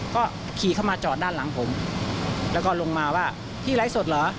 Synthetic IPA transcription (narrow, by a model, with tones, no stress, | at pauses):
kɔː˥˩ | kʰiː˨˦kʰa˥˩wmaː˧t͡ɕɔː˨˩t̪̚daː˥˩nla˩˦ŋpʰo˩˦m | lɛː˦˥wkɔː˥˩lo˧ŋmaː˧waː˥˩ | t̪ʰiː˥˩la˦˥jso˨˩t̪̚lɤː˩˦